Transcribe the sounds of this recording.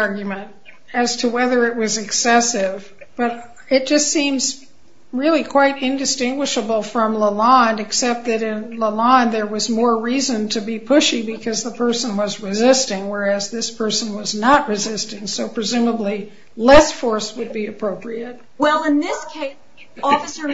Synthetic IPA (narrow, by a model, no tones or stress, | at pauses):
ɑɹɡjmɨ̃nt̚ | ɨz̥tʰəwɛðə˞ɨt̚wʌzɨksɛsɪv | b̥ʌɾ | ɨt̚d̥ʒ̥ʌstsĩmz | ɹɪlˠikʰw̥aɪɾɪ̃ndɨstɪ̃ŋɡwɨʃəbl̩ˠfɹʌ̃mləlɑ̃nɨksɛp̚t̪̚ðɨɾɪ̃nləlɑ̃nðə˞wʌzmɔɹɹizɨ̃ntʰɨbipʰʊʃibɨkʰʌzðəpʰɜ˞sə̃nwʌzɹɨzɪstɪ̃ŋwə˞ɨzðɪspʰɜ˞sə̃n̩wʌznət̚ɹɨzɪstɪ̃ŋsoʊpʰɹ̥ɨzʉ̃məbli | lɛsfɔɹswɨd̚biɨpʰɹ̥oʊpʰɹiɨt̚ | wɛlˠɪ̃nðɪskʰeɪ | ɔfəsə˞